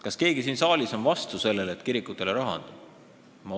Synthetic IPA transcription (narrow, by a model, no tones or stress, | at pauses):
kɑske̞ːɡisiːnsɑːlʲiso̞nvɑst̪use̞lːelet̪ːˑkiɾikːˑut̪ːˑe̞leɾɑɦɑ̰nd̪̥ɑ̥ | mɑ